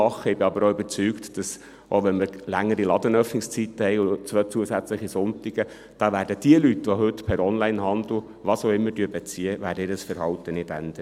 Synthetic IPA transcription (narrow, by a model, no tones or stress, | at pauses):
ɑχːəɪbɪɑbəɾoybəɾt͡syːktd̥ɑs | ʔo̰ʋɛnmɪɾlæŋːəɾilɑd̪ənœfnɪkst͡sit̪əhɛɪʊt͡sʋœt͡suəsæt͡sləχisʊntiɡ̥ə | d̥ɑːʋæːɾdəd̥iəlytːʋoɦɵtːpʰɛɾɔnlæɪnɦɑnd̪l̩ˠ | ʋɑsoʊɪmːəɾdyːbɛt͡siːəvæːɾdəɪːɾəsfəɾhɑwt̪ənɪdæ̰nd̥̪ə